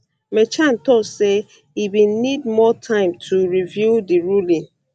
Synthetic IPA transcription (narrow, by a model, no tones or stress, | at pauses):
met͡ʃan̩tɔse | ibĩnnid̚mɔtʰãɪ̃mtʰuɹivjudiɹulĩn